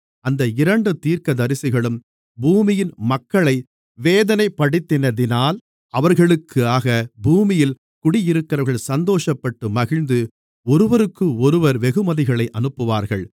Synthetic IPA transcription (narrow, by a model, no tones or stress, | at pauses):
ɐnd̪ɐɪɾɐɳɖɯt̪iːɾkɐðɐɾɪsɪɣɐɭɯm | buːmɪjɪnmɐkːɐɭɐɪ | ʋeːðɐnɐɪpːɐɽɪt̪ːɪnɐðɪnaːl | ɐʋɐɾɣɐɭɯkʰːɯaːɣɐbuːmɪjɪl | kʊɽɪjɪɾɯkːɪɾɐʋɾɣɐɭsɐnd̪oːʂɐpːɐʈːɯmɐɣɪɻnd̪ɯ | ɔɾɯʋɐɾɯkːɯɔɾɯʋɐɾʋɛɣɯmɐðɪɣɐɭɐɪʔɐnɯpːɯʋaːɾɣɐɭ